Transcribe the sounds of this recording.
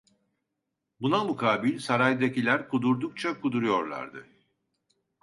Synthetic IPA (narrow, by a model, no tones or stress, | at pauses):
bunamukʰaːbilʲsaɾajd̪acilʲæɾkʰud̪uɾd̪uk̚t͡ʃʰakʰud̪uɾujo̞ɾlˠa̰ɾd̪ɯ